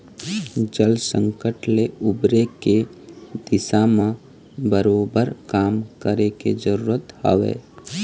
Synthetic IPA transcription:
d͡ʒəlsə̃ŋkəʈleʊbɾeked̪̥ɪsamã | bəɾoːbəɾkaːmkəɾeked͡ʒəɾuːɾət̪ha̰ʋḛː

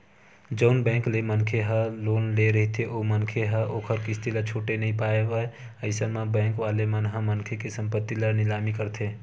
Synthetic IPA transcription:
d͡ʒəʊnbɛ̃ːŋklemənkʰeɦəloːnleɾəɦit̪ʰeʔoːmənkʰeɦəʔoːkʰəɾkist̪ilət͡ʃʰoːʈenəɦĩpaːebə | əɪsəmãbɛ̃ːŋkʋaːlemənɦəmənkʰekesə̃mpət̪ːilənɪlaːmikəɾt̪ʰeː

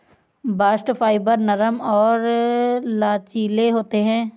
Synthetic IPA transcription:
baːsʈfaːɪbəɾnəɾəmɔːɾ | laːt͡ʃiːleɦoːt̪eɦɛ̃ː

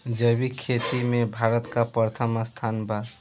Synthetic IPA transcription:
d͡ʒəbikʰet̪imebʱaɾət̪kapəɾt̪ʰəməst̪ʰanba

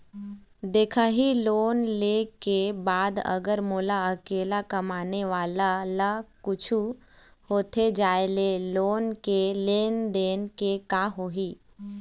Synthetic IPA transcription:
d̪eːkʰaɦiloːnlekebaːd̪ə̰ɡəɾmoːlaɐkeːlakɐmaːneʋaːlalakʊt͡ʃʰu | hoːt̪ʰed͡ʒaːeleloːnkeleːnd̪eːnkekaɦoːɦiː

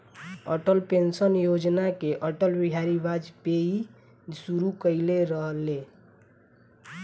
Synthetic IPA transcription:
ə̰ʈəlpensənjod͡ʒnakeʔəʈəlbiɦaɾibad͡ʒpei | suɾukəɪleɾəɦle

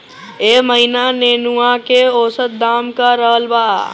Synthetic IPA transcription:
eːməɦinaneːnuakeoːsət̪̚d̪aːmkaɾəɦəlbaː

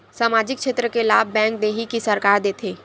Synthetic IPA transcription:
saːmaːd͡ʒɪkʃeːt̪ɾəkelaːbbɛ̃ːŋk̚d̪eːɦikisɐɾkaːɾd̪eːt̪ʰeː

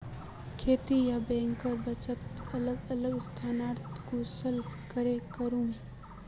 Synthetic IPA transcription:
kʰeːt̪ijabɛ̃ːŋkəɾbɐt͡ʃət̪ɐləɡɐləɡst̪ʰaːnaːɾt̪kosəlkəɾekəɾũː

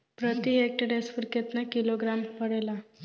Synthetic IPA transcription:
pɾət̪iɦek̚ʈəɖesfuɾket̪nakiloɡɾampəɽela

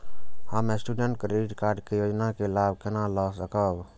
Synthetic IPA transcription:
əmesʈuːɖəɳʈ̚kɾeɪʈkaːɾɖkejoːd͡ʒnakelaːb̚kenalɔːsəkəːb

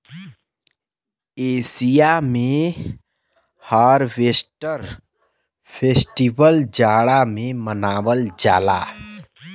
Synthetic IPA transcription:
eːsijamẽ | haɾʋesʈəɾ | pʰesʈibəld͡ʒaːɽamẽmənaːwəld͡ʒa̰ːla̰

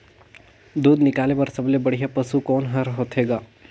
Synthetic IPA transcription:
d̪uːd̪nɪkaːlebɐɾsɐblebɐɽ̤ijapɐsukɔːnɦɐɾɦoːt̪ɦeːɡaː

